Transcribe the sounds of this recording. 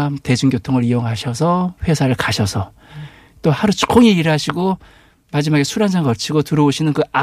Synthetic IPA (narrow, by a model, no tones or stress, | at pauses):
mte̞d͡ʑuŋɡjotʰoŋɯɾijoŋɦaɕʰʌsʰʌɸwe̞sʰaɾɯɭkaɕʰʌsʰʌ | t͈ohaɾut͡ɕʰu̥k͈oŋiiɾɦaɕʰiɡo | mad͡ʑimaɡesʰuɾansʰaŋɡʌt͡ɕʰiɡotɯɾʌoɕʰinɯnkɯa